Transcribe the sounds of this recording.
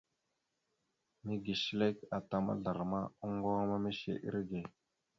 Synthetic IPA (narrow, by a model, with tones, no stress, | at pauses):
mi˦ɡi˨ʃi˦le˦ka˨ta˨ma̰˦ɮa˨ɾma˦u˦ŋ˦ɡa˦ma˦me˦ʃḛ˨ʔḭ˦ɾɡe˨